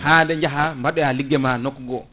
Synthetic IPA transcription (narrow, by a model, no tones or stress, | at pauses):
handɛɲd͡ʒaɦambaɗɔjaliɡːɛmanɔkɡɔ